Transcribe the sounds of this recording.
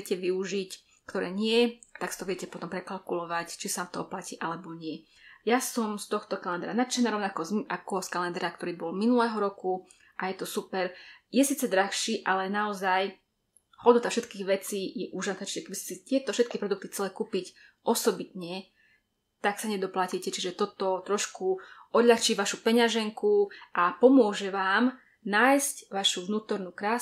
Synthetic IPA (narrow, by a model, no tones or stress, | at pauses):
cɛʋiuʒic | kt̪ɔɾɛ̰ːɲɪɛt̪aksit̪ɔʋɪɛcɛpɔt̪ɔmpɾɛkalkulɔʋact͡ʃisaamt̪ɔɦɔplaciːʔalɛbɔɲɪɛ | jasɔmst̪ɔxt̪ɔkalɛnd̪ɾanat̪ʃɛnaːɾɔʊnakɔzʔakɔskalɛnd̪ɾakt̪ɔɾiːbɔlminulɛːɦɔɾɔku | ʔajɛt̪ɔsupɛɾjɛsiːt͡sɛd̪ɾaxʃiːʔalɛnaɔzaj | xɔldnut̪afʃɛt̪kiːɣʋɛt͡siːjɛʔuːʒasnat͡ʃiʒɛkɛbiscɛ̥sit̪ɪɛt̪ɔfʃɛt̪̚kipɾɔd̪uk̚t̪ixt͡sɛlɛkupicʔɔsɔbit̪ɲɛ | t̪aksaɲɛd̪ɔplaciːcɛt͡ʃiʒɛt̪ɔt̪ɔt̪ɾɔʃkuʔɔd̪ʎaxt͡ʃiːʋaʃupɛɲaʒɛŋkuʔapɔmʊɔʒɛʋaːm | naːjscʋaʃuʋnuːt̪ɔɾnukɾaː